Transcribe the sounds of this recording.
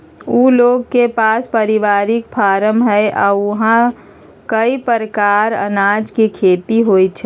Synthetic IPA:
uːloːɡkepaːspəɾiʋaɾɪkpʰaːɾəmɦɛɪʔaːʊɦã | kəipəɾəkaɾə̰nad͡ʒkikʰeːt̪iɦoj̪t͡ʃʰɛ

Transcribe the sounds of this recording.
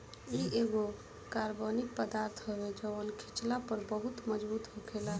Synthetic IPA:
ieɡo | kaɾbonik̚pəd̪aɾt̪ʰɦəbed͡ʒəwənkʰit͡ʃlapəɾbəɦut̪məd͡ʒbut̪ɦoɡela

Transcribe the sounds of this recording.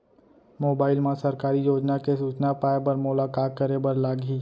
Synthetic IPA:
moːbaːɪlmãsɐɾkaːɾijoːd͡ʒnakesuːt͡ʃnapaːebəɾmʊlaːkaːt̪̚kəɾebəɾlaːɡi

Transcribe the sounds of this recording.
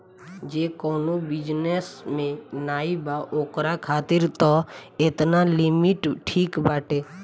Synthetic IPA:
d͡ʒeːkoːnobɪd͡ʒnesmẽnaːibaːʔoːkɾakʰaːt̪ɪɾt̪ɔet̪nalɪmɪʈʈʰiːkbaːʈeː

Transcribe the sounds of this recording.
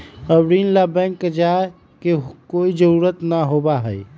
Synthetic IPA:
əbɾinlabɛ̃ŋkd͡ʒa | kekoid͡ʒəɾuɾət̪naɦobaɦəj

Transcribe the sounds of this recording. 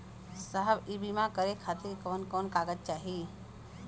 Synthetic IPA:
səɦəbibimãkəɾekʰat̪iɾkəʋənkɔːnkaːɡət̪̚t͡ʃaːɦi

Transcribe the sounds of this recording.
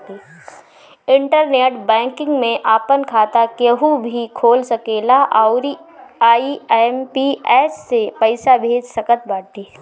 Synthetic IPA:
eː | ɪ̃ɳʈəɾneːʈbɛ̃ːŋkɪ̃ŋɡmẽʔaːpənkʰaːt̪akjəɦubʱikʰoːlsɐkeːlaʔʊɾiaːimpiɛːsːepəɪsabʱeːd͡ʒsɐkət̪̚baːt̪eː

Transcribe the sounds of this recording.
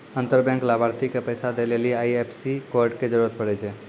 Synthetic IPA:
ənt̪əɾbjɛ̃ŋklabaɾt̪ikepəjsad̪eleliaiepʰsikoɾɖked͡ʒəɾuɾət̪̚pəɽɛt͡ʃʰɛ

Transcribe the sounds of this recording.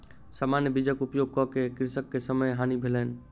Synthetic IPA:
samanjəbid͡ʒəkupjoɡ̚kɔkekɪɾsəkːesəməjɦanibʱelən

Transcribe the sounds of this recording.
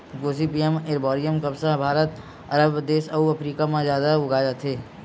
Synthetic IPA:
ɡoːsipijemɪɾbɔːɾijəmkɐbsaɦbʱaːɾət̪ | ɐɾəbd̪eːʃɐuɐpɾiːkamãzjaːd̪aʊɡaːd͡ʒat̪ʰeː

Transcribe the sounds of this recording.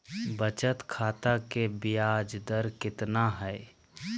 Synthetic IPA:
bət͡ʃət̪kʰaːt̪akebijad͡ʒd̪əɾkɪt̪naɦɛ

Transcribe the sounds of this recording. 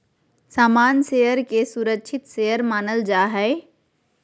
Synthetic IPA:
saːmaːnseːjəɾkesuɾəkʃʰɪt̪sejəɾmaːnəld͡ʒaːɦɛː

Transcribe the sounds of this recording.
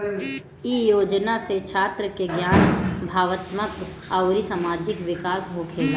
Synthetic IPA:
iːjoːd͡ʒnaset͡ʃʰaːt̪ɾəkeɡjaːnbʱaːʋət̪mək | aʊɾisaːmaːd͡ʒɪkʋɪkaːsɦokʰeː

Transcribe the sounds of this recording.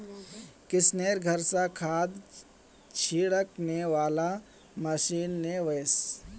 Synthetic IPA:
kɪsneːɾɡʱəɾsakʰaːd̪ | t͡ʃʰiːɽəkneʋaːla | məʃiːnːeʋəjs

